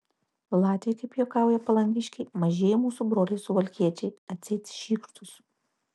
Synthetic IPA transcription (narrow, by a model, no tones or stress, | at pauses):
lˠɑːt̪ʲɪjɛkɐɪpjoːkɑˑʊjɛpɐlˠɐŋʲɡʲɪʃʲkʲɛɪmɐʒʲeːjɛmuːsubɾoːlʲɛɪsʊʋɐlʲkʲiɛt͡ʃʲɛɪɐt̪ʲsʲɛɪt̪sʲʃʲiːkʃt̪ʊs